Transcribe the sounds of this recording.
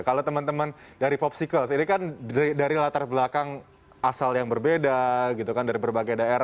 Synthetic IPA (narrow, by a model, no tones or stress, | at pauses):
kalat̪əmənt̪əmən | daɾipɔp̚sikəlsinikandaɾilat̪arblakaŋ | asaljaŋbərbedaɡit̪ukandaɾibərbaɡajdaeɾa